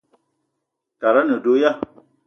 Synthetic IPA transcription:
ta˨ɾa˦nə̃˨do˨˦ja˦

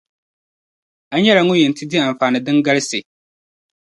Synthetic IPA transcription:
a˦ɲɛ˦la˨ŋʊ˦jɛ˨n˨tɪ˦di˦a˨ɱ˨faː˨nɨ˨dɨ˦ŋɡa˦lɨ˦sɪ˨

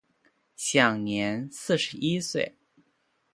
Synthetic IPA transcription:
ɕjɑ˨˩ŋnjɛ˧˥nsɹ̩˥˩ʂɻ̩˧˥i˥swe˥˩ɪ

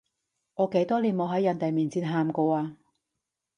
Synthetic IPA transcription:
ŋɔː˨˧ke˨˥jt̪ɔː˥liː˨˩nmo˨˧wɦɐ˨˥jɐ˨˧nt̪e˨jmiː˨nt͡siː˧nɦaː˧mkɔː˧aː˧

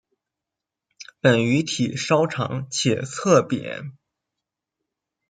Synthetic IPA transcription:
pə˨˩ny˧˥t̪ʰi˨˩ʂɑ˥ʊʈ͡ʂʰɑ̰˧˥ŋt͡ɕʰjɛ˨˩t͡sʰɤ˥˩pjɛ̰˨˩˦n

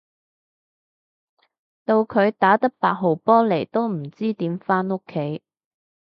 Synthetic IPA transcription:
t̪o˧wkʰɵ˨˧ɥt̪aː˨˥t̪ɐ˥k̚paː˧k̚ɦo˨wpɔː˥le˨˩jt̪o˥wm̩˨˩t͡siː˥t̪iː˨˥mfaː˥no˥kʰːe˨˥j

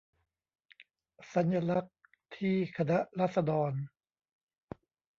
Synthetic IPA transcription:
sa˩˦nja˧la˦˥k̚ | t̪ʰiː˥˩kʰa˧na˦˥ʔɾaː˥˩t̪̚sa˧dɔː˧n

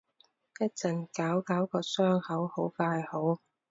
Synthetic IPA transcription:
kɐ˥t͡sɐ˨˩nkaː˨˥wkaː˨˥wkɔː˧sœː˥ŋhɐ˨˥who˨˥wfaː˧jho˨˥w

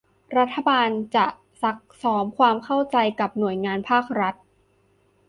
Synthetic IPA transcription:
ɾa˦˥t̪ʰːa˧baː˧nt͡ɕa˨˩ʔ | sa˨˦k̚sɔː˩˦mkʰwaː˧mkʰa˥˩wt͡ɕa˧jka˨˩p̚nu˨˩əjŋaː˧npʰaː˥˩k̚ɾa˦˥t̪̚

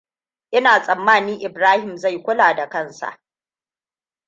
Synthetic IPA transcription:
ʔɪ˦naː˨sʼɐ˨mːaː˦˨niː˦ʔɪ˨bɾaː˦hɪ˨mza˦˨jkʷʊ˦laː˨da˨kɐ˦nsa̰˨ʔ

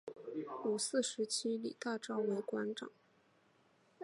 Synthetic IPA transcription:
u˨˩sɹ̩˥˩ʂɻ̩˧˥t͡ɕʰi˥lḭ˨˩t̪a˥˩ʈ͡ʂɑ˥ʊwe˧˥ɪkwa˧˥nʈ͡ʂɑ̰˨˩˦ŋ

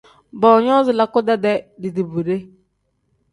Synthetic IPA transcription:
bɔ˨ɲɔ˦zɪ˨la˨kʊ˦da˦dɛ˨di˨di˨bu˨ɾe˦

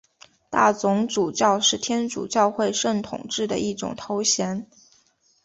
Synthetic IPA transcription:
t̪a̰˥˩t͡sʊ˧˥ŋʈ͡ʂu˨˩t͡ɕjɑ˥˧ʊʂɻ̩˥˩t̪ʰjɛ˥nʈ͡ʂṵ˨˩t͡ɕjɑ˥˧ʊxwe˥˧ɪʂə˥˩ŋt̪ʰʊ̰˨˩ŋʈ͡ʂɻ̩˥˩d̪ə̰˩ʔi˥˩ʈ͡ʂʊ̰˨˩ŋt̪ʰo˧˥ʊɕjɛ˧˥n

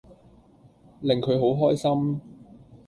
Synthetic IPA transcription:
lɪ˨ŋkʰɵ˨˧ɥɦo˨˥wɦɔː˥jsɐ˥m

